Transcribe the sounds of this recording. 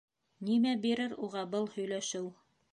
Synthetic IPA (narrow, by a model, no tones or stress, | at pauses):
nimæbiɾɘɾuʁɑbɤlˠhɵ̆jlæʃɘw